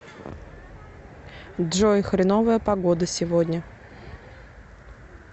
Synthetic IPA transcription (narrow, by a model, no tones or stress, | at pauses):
dʐojxɾʲɪnovəjəpɐɡod̪əsʲɪvodʲnʲə